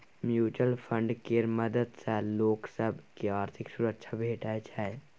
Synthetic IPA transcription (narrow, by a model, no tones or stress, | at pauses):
mjuːt͡ʃəlpʰə̃ɳɖkemɐd̪əd̪sɛloːksəbkeaːɾt̪ʰɪksʊɾəkʃʰabʱeːʈaet͡ʃʰae